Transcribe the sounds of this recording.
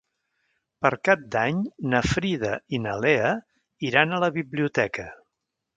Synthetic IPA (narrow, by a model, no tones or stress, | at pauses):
pəɾkap̚d̪aɲnəfɾiðəinəleə | iɾanələβiβliut̪ɛkə